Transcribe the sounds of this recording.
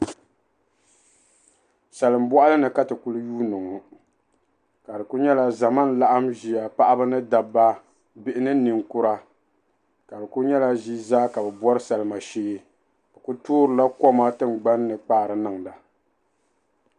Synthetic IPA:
sɛ˨lɨ˨mbɔ˦ʔa˦lɨ˦nɨ˨ka˦tɨ˨ku˦lɨ˦juː˦nɨ˨ŋu˨ | ka˨dɨ˨ku˦ɲɛ˦la˦za˨ma˦n˦la˦ʔa˦mʒi˨a˨pa˦ʔa˦bɨ˦nɨ˦da˨bːa˦ | bɪ˦˨ʔɪ˦nɨ˦nɨ˨ŋkʊ˦ɾa˦ | ka˨dɨ˨ku˦ɲɛ˦la˦ʒi˦zaː˦ka˨bɛ˨bɔ˦ɾɨ˦sa˨lɨ˨ma˨ʃeː˦ | bɨ˨ku˦toː˦ɾɨ˨la˦kɔ˦ma˦tɨ˦mɡ͡ba˦nː˦ɨ˨k͡paː˦˨ɾɨ˨nɨ˨ŋla˨

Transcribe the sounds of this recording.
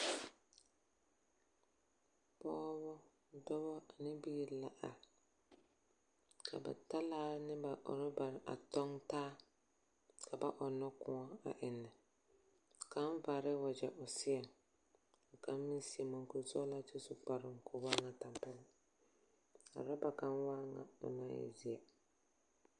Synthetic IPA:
pɔː˦bɔ˦ | dɔ˦bɔ˦a˨nɪ˦biː˦ɾla˨ʔa˨ | kʰa̰˨ba̰˨ta˦laː˦nɪ˦ba˨ʔʊ̰˨ɾɪ˦ba˨ɾɪ˨ʔa̰˨tɔ˦ŋtaː˦ | kʰa˨ba˦ʔɔ˨nːɔ˦kʊ̃˨ɔ˦a̰˨ʔɪ˨nːɪ˨ | ka˨˦n˦va˨ɾɪ˦wa˨d͡ʒɛ˨ʔʊ˨sɪ˦ɛ˨ | a˨ka˨m˦mɪ˦si˨ɛ˨mo˨ŋkʊ˨zɔ˦la˦t͡ʃɪ˦sʊ˦k͡pa˨ɾɪ˨ŋkʰʊ˨waː˦ŋa˨ta˨mpa˦lɪ˦ | a̰˨ɾa˦ba˨ka˦nwaː˦ŋa̰˨ʊ̰˨na˦ɪ̰˨zi˨a˨

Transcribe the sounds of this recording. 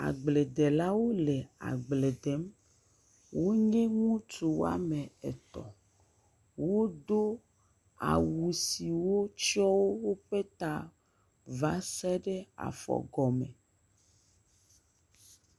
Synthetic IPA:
a̰˨ɡ͡ble˨d̪e˨la˦wo˦le˨a̰˨ɡ͡ble˨d̪e˨˦m | wo˦ɲẽ˦ŋũ˦tu˨wo̰˦a̰˦mẽ˨ḛ˨t̪ɔ̰˨ | wo˦d̪o˦ | a̰˨wu˨si˨wo˦t͡ʃi˦ɔ˦wo˦wo˦ɸe˦t̪a˦ | va˦sɛ˦ɖe˦a̰˨fɔ̰˨ɡɔ˨mẽ˨

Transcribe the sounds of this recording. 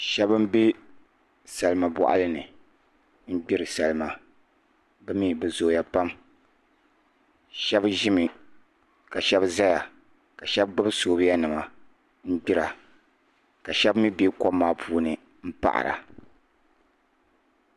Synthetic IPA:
ʃɛ˦bɨ˦m˦be˦ | sa˨lɨ˦ma˨bɔ̰˨ʔa̰˦lɨ˦nɨ˨ | m̩˦ɡ͡bi˦ɾɨ˨sa˨lɨ˨ma˨ | bɛ˦mi˦bɨ˨zoː˨ja˨pa˦m | ʃɛ˦bʒɪ˦mɨ˨ | ka˨ʃɛ˦bza˦ja˨ | ka˨ʃɛ˦bɡ͡bɨ˦bɨ˦soː˨˦bja˦nɨ˨ma˨ | m̩˦ɡ͡bi˦ɾa˨ | ka˨ʃɛ˦bmi˦be˦ko˦mːaː˨˦pʰuː˦nɨ˨ | m̩˦pa̰˨ʔa̰˨ɾa̰˨

